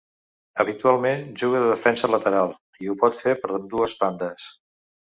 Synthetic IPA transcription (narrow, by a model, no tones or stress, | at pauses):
əβit̪ualˠmenʒuɣəðəðəfɛnsələt̪əɾalˠ | iupɔt̪fepəɾd̪uəzβand̪əs